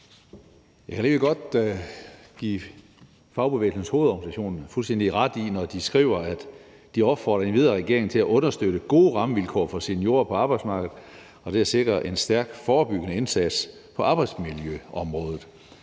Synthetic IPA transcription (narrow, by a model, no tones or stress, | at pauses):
jækʰæleɡəɡ̥ɒ̽d̥ | ɡ̥ḭː | fɑ̈ʊb̥eḛːlsən̩sho̝ːð̞̩ˠɒɡ̥n̩isæɕo̝̰ːnn̩fulsd̥en̰d̥iʁɑ̈d̥inɒd̥isɡ̥ʁḭːʊ̰ɐæd̥ | d̥iɒ̽b̥fɒ̰ːɾ̥ɐe̝nʋið̞ˠɐʁɛɡ̥e̝ɐe̝ŋ̩t͡sʰe̝læʔɔ̽nɐsd̥øɾ̥əɡ̥o̝ːʁɑ̈məʋilkʰɒ̰ːfɒ̽senjo̝ːɐpʰɒ̽ɑ̈b̥ɑ̈ɪd̥smɑ̈ɡ̥ð̞̩ˠ | ɒ̽d̥eæɐse̝ɡ̥ʁɐʔe̝nsd̥æɐɡ̥fɒːb̥yɡ̥ənəe̝nsæd̥spʰɒ̽ʔɑ̈ːb̥ɑ̈ɪd̥smiljøɒ̽mʁɔ̽ːð̞ˠð̩ˠ